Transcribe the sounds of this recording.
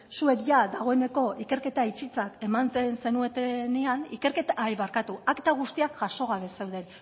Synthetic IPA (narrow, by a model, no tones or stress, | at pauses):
sue̞kʝaðaɣ̞o̞e̞ne̞ko̞ike̞ɾke̞t̪ait͡ʃit͡sake̞mant͡s̪ense̞nue̞t̪eneanike̞ɾke̞t̪ajβaɾkat̪uakt̪aɣ̞ust̪iakʝaso̞ɣaβe̞sewðe̞n